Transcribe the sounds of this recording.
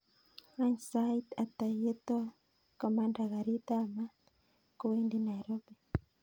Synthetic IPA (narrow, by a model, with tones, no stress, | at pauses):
a˦ɲsait̪a˨t̪a˨je˦t̪ɔ˦ | kɔ˨mandaɣa˨ɾi˦t̪a˦ma˦ | ko˨we˦ndi˦na˨ɾo˦be˨